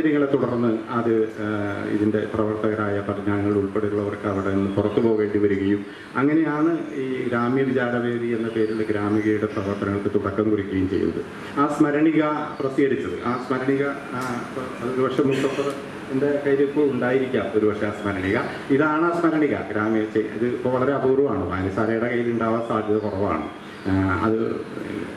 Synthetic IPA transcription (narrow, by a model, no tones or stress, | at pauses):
ɾɐŋːɐɭet̪uɽɐrnːɨɐðɨ | ḭðinde̞prɐʋɐrt̪ɐɣɐɾaːjɐpɐrɐɲaːɐŋːɐɭiɭuɭpeɽiuɭːɐʋɐrkɨɐʋiɽenːɨpurɐt̪ːupo̞ːʋe̞ːɳɖiʋɐɾuɣɐjum | ɐŋːɐne̞jaːɳɨiːɡɾaːmjɐʋid͡ʑaːɾɐʋe̞ːðienːɐpe̞ːɾilɡɾaːmɐɣɐjuɽe̞prɐʋɐrt̪ɐnɐŋːɐɭkɨt̪uɽɐkːɐmkurikʲːɐjumt͡ɕe̞jːṵnːɐðɨ̰ | aːsmɐɾɐɳiɣɐprɐsiɣɐɽit͡ɕːɐðɨ̰ʔaːsmɐɾɐɳiɣɐ | pːɐðɨoɾubɐkʂjemːuk̪ːɐɐt̪ːɐr | end̪ekɐjɾɐpːoːuɳɖaːjiɾikʲːaːmo̞ɾubɐkʂeaːsmɐɾɐɳiɣɐ | iðaːɳaːsmɐɾɐɳiɣɐ̰ɡɾaːmjɐt͡ɕeḭðɨipːoːʋɐɭɐɾe̞ɐbɐrɐmaːɳoaːɐnsaːlɐjɽɐkɐjːiluɳɖaːʋɐsaːd̪ʱjɐðɐkurɐʋa̰ːɳɨ̰ | ɐ̰ðɨ